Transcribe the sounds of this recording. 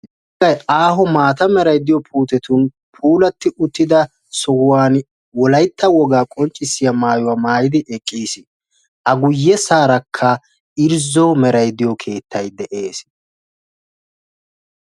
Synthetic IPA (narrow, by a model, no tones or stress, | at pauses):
ɐjaːɦɔmaːt̪ɐmɛɾɐjd̪ɪjɔpʰuːt̪ɛt̪ʊn | pʰuːlɐt̪ːɪʊt̪ːɪd̪ɐ | sɔwʊwaːn | wɔlɐjt̪ʰːɐwɔɡaːkʼɔnt͡ʃʼːɪsːɪjɐmaːjʊwaːmaːjɪd̪ɪɛkʼːiːsɪ | ʔɐɡʊjːɛsaːɾɐkʰːɐ | ɪɾzɔmɛɾɐjd̪ɪjɔkʰe̞ːt̪ːɐjd̪ɛʔe̞ːs